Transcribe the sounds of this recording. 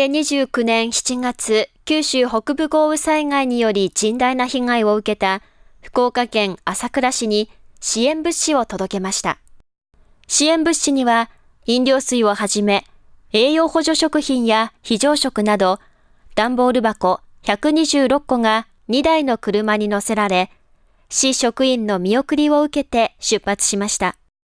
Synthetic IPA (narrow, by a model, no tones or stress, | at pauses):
eɲiʑɨːkɯ̟nẽ̞ɰ̃çi̥t͡ɕiŋat͡sɨkʲɨːɕɨːho̞kɯ̟bɯ̟ɡo̞ːɯ̟saiŋaiɲ̟ijo̞ɾʲid͡ʑĩnd̪ainaçiŋaio̞ɯ̟ke̞t̪a | ɸɯ̟̥ko̞ːkakẽ̞ŋasakɯ̟ɾaɕiɲ̟iɕiẽ̞mbɯ̟ɕio̞t̪o̞d̪o̞ke̞maɕi̥t̪a̰ | ɕiẽ̞mbɯ̟ɕːiɲ̟iβa | ĩndʲo̞ːsɨio̞haʑime̞ | e̞ːjo̞ːho̞ʑo̞ɕo̞kɯ̟çĩɰ̃jaçiʑo̞ːɕo̞kɯ̟nad̪o̞ | d̪̥ãmbo̞ːɾɯ̟bako̞ | çakɯ̟ɲ̟iʑɨːɾo̞kːo̞ŋa | ɲ̟id̪aino̞kɯ̟ɾɯ̟maɲ̟ino̞se̞ɾaɾe̞ | ɕiɕo̞kɯ̟ĩnːo̞mʲio̞kɯ̟ɾʲio̞ɯ̟ke̞t̪e̞ɕɨpːat͡sɨ̥ɕimaɕi̥t̪a